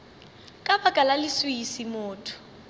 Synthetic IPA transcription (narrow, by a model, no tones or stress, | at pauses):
kʼabakʼalalɪswʊisimʊːtʰʊ̥